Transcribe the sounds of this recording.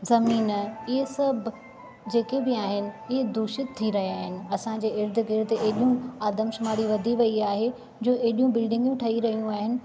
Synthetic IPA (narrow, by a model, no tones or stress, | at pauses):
zɐmiːnɐɪɦesɐbʱ | d͡ʑeːkebɪaːɦɪnɪ̆ɪɦed̪uːʃɪt̪ʰːiɾɐɦiaːɦɪnɪ̆ɐsãd͡ʑeːɪɾd̪ʱɪɡɪɾd̪eːɗijũaːd̪əmʃʊmaːɾiʋɐd̪ʱiʋɐiaːɦe | d͡ʑoːʔeɦɗijũbɪlɖɪ̃ŋɡjũʈʰɐɦiɾɐɦijũaːɦɪnɪ̆